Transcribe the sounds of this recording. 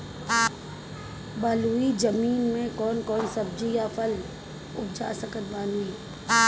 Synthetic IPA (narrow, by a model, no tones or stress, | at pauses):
baːluːid͡ʒəmiːnmẽkɔːnkɔːnsɐb̚d͡ʒijapʰəl | ʊp̚ʰd͡ʒa̰ːsəkət̪̚baːnui